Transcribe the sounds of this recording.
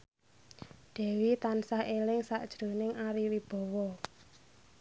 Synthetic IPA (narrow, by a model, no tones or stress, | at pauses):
ɖ̪̥ɛ̤wit̪ansahelɪŋsaʔd̥ʒ̥ɾo̤nɪŋaɾiwib̥ɔ̤wɔ